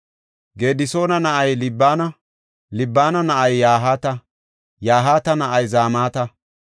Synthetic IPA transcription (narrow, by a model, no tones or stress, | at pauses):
ɡe̞ːd̪ɪso̞ːnɐnɐʔɐjlɪbːaːnɐ | lɪbːaːnɐnɐʔɐjːaːɦaːt̪ɐ | jaːɦaːt̪ɐnɐʔɐjzaːmaːt̪ɐ